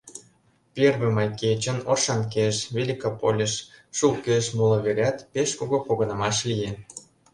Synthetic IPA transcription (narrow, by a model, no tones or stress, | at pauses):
pʲerβĕmɑjket͡ɕənoʃɑnk̬eʃβʲelʲikopolʲeʃʃulkeʃmulˠŏβeɾʲɑt̪peʃkoɣopoɣɤnə̆mɑʃlije